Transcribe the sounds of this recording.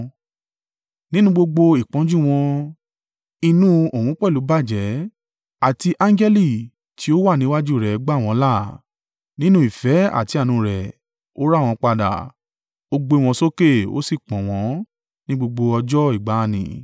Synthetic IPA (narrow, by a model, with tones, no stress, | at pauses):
nĩ˦nũ˦ɡ͡bo˧ɡ͡bo˧i˦˨k͡pɔ̃˨˦d͡ʒu˦˨w̃ɔ̃˧ | i˧nũ˧˦o˨hũ˨˦k͡pɛ˦˨lu˨˦ba˦˨d͡ʒɛ˨˦ | a˨ti˧ʔã˦n˦d͡ʒɛ˦li˦˨ | tʰi˦o˦wa˦˨nĩ˨˦wa˦d͡ʒu˦˨ɾɛ˨˦ɡ͡ba˦˨w̃ɔ̃˧˦la˦˨ | nĩ˦nũ˦i˨fɛ˨˦a̰˨ti˧˦a˨nũ˧ɾɛ˨ | o˦ɾã˦˨ɔ̃˧k͡pa˧da̰˨ | o˧ɡ͡bo˧w̃ɔ̃˧so˦ke˦˨o̰˦si˦˨k͡pɔ̃˨w̃ɔ̃˨˦ | nĩ˦ɡ͡bo˧ɡ͡bo˧ɔ˧d͡ʒɔ˦i˨ɡ͡ba˨˦˨nḭ̃˨